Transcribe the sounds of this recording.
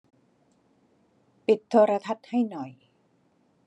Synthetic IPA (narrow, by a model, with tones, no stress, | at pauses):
pi˨˩t̪ʰːoː˧ɾa˧t̪ʰa˦˥t̪̚ha˥˩jnɔ˨˩j